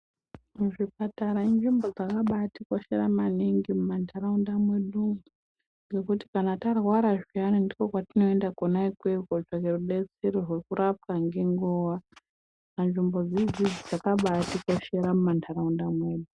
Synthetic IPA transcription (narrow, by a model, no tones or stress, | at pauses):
muʐipataɾaind͡ʒimbo̞d͡zakaɓatikwaʃeɾamaniŋɡimumantʰaɾaundamwe̞ɗumu | ŋɡe̞kuti̥kanatarwaɾaʐianindikokwatino̞endakonaikwekoʐakeruɗet͡seɾorwekurʔap̚kaŋɡe̞ŋɡowa | and͡ʒimbo̞d͡zid͡zid͡zid͡zakaɓatikwaʃeɾamumantʰaɾaundamwe̞ːɗu